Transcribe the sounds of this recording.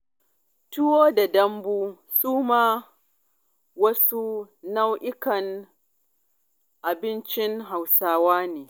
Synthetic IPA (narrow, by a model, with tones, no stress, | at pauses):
tʊ˦woː˦da˨dɐ˦mbuː˦ | suː˦maː˦ | wɐ˦su˦ | na˦wʔɪ˦kɐ˨n | ʔa˨bɪ˦nt͡ʃɪ˦ŋɦa˨wsaː˦waː˦neː˨